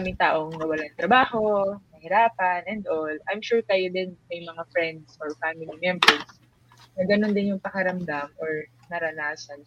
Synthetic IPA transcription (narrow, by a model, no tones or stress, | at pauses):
aːmɪŋt̪aːʔo̞ŋmɐwɐlaŋt̪ɾɐbaːho̞nɐhɪɾaːpɐnʔɛnd̪ʔolʔajmʃuɹt̪ajod̪ɛnɐjmɐŋafɹɛnd̪sʔɔɹfamɪlimɛmbɛɹs | nɐɡɐno̞nd̪ɪnjʊŋpɐkɐɾɐmd̪amʔoɹ | nɐɾɐnaːsɐn